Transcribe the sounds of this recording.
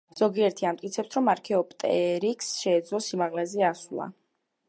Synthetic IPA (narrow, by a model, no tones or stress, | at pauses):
z̥ɔɡiɛɾt̪ʰiamt̪ʼkʼit̪sʰɛp̚sʰɾɔmaɾkʰɛɔpʼt̪ʼɛɾikʰsʃɛːd̪zlɔsimaʁlɛzɛasulˠa̰